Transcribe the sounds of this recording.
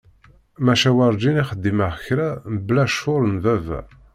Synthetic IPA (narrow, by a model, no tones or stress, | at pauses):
mæʃæwɑɾˤd͡ʒiniχəd̪ːiməʁçɾæməblæʃʊɾənvævæ̰